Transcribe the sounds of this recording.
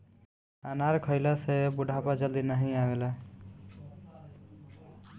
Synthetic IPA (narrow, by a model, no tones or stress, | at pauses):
anaɾkʰəɪlasebuɖʱapad͡ʒəld̪inəɦĩabela